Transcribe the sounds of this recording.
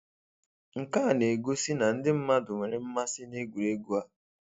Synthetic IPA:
ŋ̩˨ka˦˨ne˨ɡo˦si˦na˨n̩˦dɪ˦m̩˦ma˦dʊ˨me˨ɾe˨m̩˦ma˦sɪ˦ne˦ɡʷu˨ɾe˦ɡu˦a˦

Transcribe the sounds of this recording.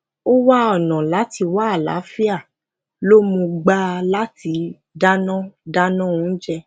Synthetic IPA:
o˦wa˦ɔ˦˨nã˨la˨˦ti˧wa˦a˦˨la̰˨˦fi˦a˦˨ | lo˦mũ˧ɡ͡ba˦˧la˦ti˧ | da˦nã˦da˦nã˦ũ˨˦d͡ʒɛ˧

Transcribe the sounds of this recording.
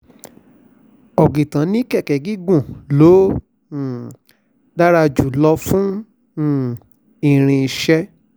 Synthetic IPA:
ɔ˨ɡĩ˨tã˨˦nĩ˦kɛ˦˨kɛ˨ɡi˦ɡũ˦˨lo˨˦˨ | da˦ɾa˧d͡ʒu˨lɔ˧fũ˦˨ | i˨ɾ̃ĩ˧i˨ʃɛ˦

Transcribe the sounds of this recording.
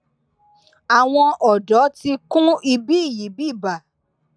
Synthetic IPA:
a˨w̃ɔ̃˧ʔɔ˨dɔ˨˦ti˧kũ˦i˧bi˦i˦˨ji˨˦bi˦˨ba˨

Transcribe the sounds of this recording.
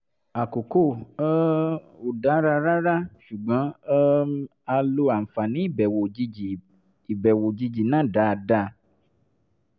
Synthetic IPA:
a˨ko˨ko˦˨˦ | o˨da˨˦ɾa˧ɾa˦ɾa˦ʃu˨ɡ͡bã˨˦ | a˧lo˧a˨m̩˨fa˨nĩ˨˦i˦˨bɛ˨wo˨i˧i˨ | i˨bɛ˨wo˨d͡ʒi˧d͡ʒi˨nã˦˨da˨˦˧da˧˦

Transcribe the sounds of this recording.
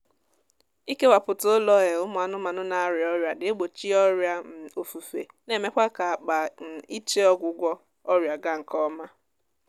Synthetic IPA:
i˦ke˦wa˨pʊ˨tʊ˦lɔ˦ɣe˨ʊ˦mʊ˨a˨nʊ˦ma˨nʊ˦na˨˦ɾɪ˨ɔ˦ɾja˨dɪ˨e˦ɡ͡bo˨t͡ʃi˦ɔ˦ɾja˦m̩˦o˨fu˨fḛ˨ | ne˨me˦kʷa˦ka˨a˨k͡pa˨n̩˨i˦t͡ʃe˦ɔ˦ɡʷʊ˨ɡʷɔ˦ | ɔ˦ɾja˨ɡa˦ŋ̩˨kɔ˦ma˦

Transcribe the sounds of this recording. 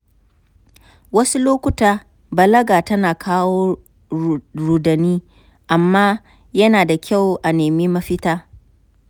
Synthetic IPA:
wɐ˦su˦loː˦kʷʊ˦taː˨ | bɐ˨lɐ˦ɡaː˨tɐ˦naː˨kʰaː˦woː˦ | ɾuː˨dɐ˨niː˦ | ʔa˨mːaː˦ | jɐ˦naː˨da˨kʲa˦˨wʔa˨neː˨miː˦mɐ˦ɸɪ˦taː˦

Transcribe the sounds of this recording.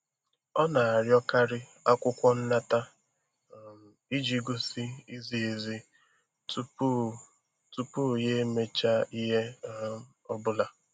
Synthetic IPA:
ɔ˦na˨a˨ɾjɔ˦ka˦ɾɪ˦ | a˦kʷʊ˦kʷɔ˦n̩˦na˦ta˦˨ | i˦d͡ʒi˦ɡo˦si˦i˦zi˨e˨zi˦ | tu˦pu˦ | tu˦pu˦˨je˦me˦t͡ʃa˦i˦ɦe˦ | ɔ˦bʊ˦la˦

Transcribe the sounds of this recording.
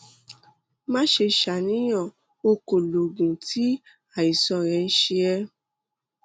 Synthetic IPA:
mã˦ʃe˧ʃa˨nĩ˦j̃ã˦˨ | o˧ko˨lo˨ɡũ˨tʰi˨˦ | a˦˨i˨sɔ̃˧ɾ̃ɛ̃˧n̩˦ʃe˧ɛ˧

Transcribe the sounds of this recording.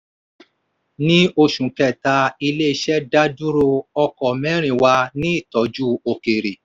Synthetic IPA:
nĩ˦o˧ʃũ˨kɛ˨ta˧i˧le˦i˧ʃɛ˦da˦du˦ɾo˧ɔ˧kɔ˨mɛ̃˦ɾ̃ĩ˨wa˧nĩ˦i˦˨tɔ˨˦d͡ʒu˦o˨ke˨ɾe˨

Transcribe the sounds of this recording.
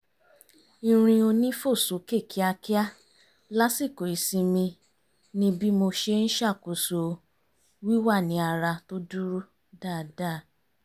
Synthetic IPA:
i˧ɾ̃ĩ˧o˧nĩ˦fo˦˨so˨˦ke˦˨ki˨˦a˧ki˦a˦ | la˦si˦˨ko˨i˨sĩ˧mĩ˧ | nĩ˧˦bi˦mo˧ʃe˧n̩˦ʃa˦˨ko˨so˨˧ | wi˦wa˦˨nĩ˨˦a˧ɾa˧to˦du˦ɾu˦ | da˦˨da˦˨

